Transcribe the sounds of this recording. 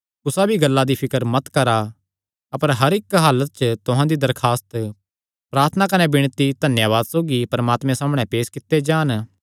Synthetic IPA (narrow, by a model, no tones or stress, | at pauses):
ʊsabʱiɡɐlːad̪ipʰɪkəɾmɐt̪kɐɾa | ɐpəɾɦɐɾɪkɦaːlət̪̚t͡ʃət̪ʊɦãd̪id̪ɐɾkʰaːst̪ | pɾaːɾt̪ʰənakɐnebɪɽ̃t̪id̪ʱɐnjaːʋaːd̪soːɡipɐɾmaːt̪mɛ̃saːmɽ̃ɛ̃peːskɪt̪ːed͡ʒaːn